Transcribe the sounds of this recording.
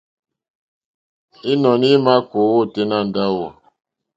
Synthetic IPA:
i˦nɔ˨ni˦ma˦ko˨˦wo˦˨te˦na˦˨n̩˨da˦˨wɔ˨

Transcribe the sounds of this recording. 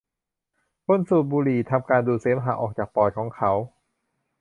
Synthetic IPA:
kʰo˧˥˨nsuː˨˩t̪̚buː˧liː˨˩t̪ʰa˧mkaː˧nduː˧seː˦mɦaː˨˦ʔɔː˨˩k̚t͡ɕaː˨˩k̚pɔː˨˩jkʰɔː˩˦ŋkʰa˦˥w

